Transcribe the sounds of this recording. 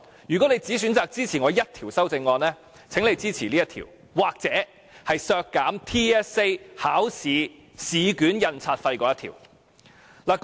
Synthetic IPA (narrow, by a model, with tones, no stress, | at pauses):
jyː˨˩kɔ˨˥ne˨˧jt͡siː˨˥syː˨˥nt͡saː˨k̚t͡siː˥t͡sʰiː˨˩ŋɔː˨˧jɐ˥t̚t̪ʰiː˨˩wsɐ˥wt͡sɪ˧ŋːɔː˧nlɛː˥ | t͡sʰe˨˥ŋle˨˧jt͡siː˥t͡sʰiː˨˩liː˥jɐ˥t̪ʰḭː˨˩w | waː˨k̚t͡sɛː˨˥ | hɐ˨jsœː˧kːaː˨˥mt̪ʰiː˥ɛː˥se˥jhaː˨˥wsiː˨˧siː˨kyː˨˥njɐ˧nt͡sʰaː˧t̚fɐ˧jkɔː˨˧jɐ˥tʰḭ˨˩w | laː˨˩